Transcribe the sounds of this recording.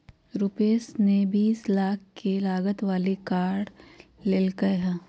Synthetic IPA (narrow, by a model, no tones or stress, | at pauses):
ɾʊpeːsnebiːslaːkʰkelaːɡət̪ʋaːlikaːɖlelkəɦɛ̃ː